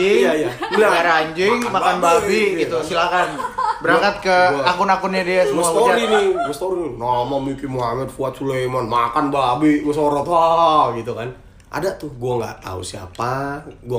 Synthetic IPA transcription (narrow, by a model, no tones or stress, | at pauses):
ɪjajamlamaɾaɲd͡ʒɪŋmakanbabiɡit̪usilakanbəɾakat̪̚kəakʊnakʊnɲadiasəmusak̪od͡ʒaɾinɪbst̪oɾinɪnamamikimuɦamɛd̚fuat̪̚sulemanmakanbalabiməsoɾɔt̪haɡit̪ukan | ʔa̰dat̪ʊhɡuaŋɡa̰ʔt̪a̰ṵsia̰paɡua